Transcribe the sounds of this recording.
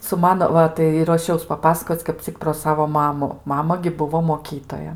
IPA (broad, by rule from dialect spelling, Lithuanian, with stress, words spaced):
sʊ ˈmɑːnoː ˈʋɐ tɐɪ ɪ ruɔˈʃʲɛʊs pɐˈpɑːsɐkoːt͡s kɐp ˈt͡sʲɪk proː ˈsɑːʋoː ˈmɑːmʊ ˈmɑːmɐ ɡʲɪ ˈbʊʋoː moːˈkʲiːtoːjɛ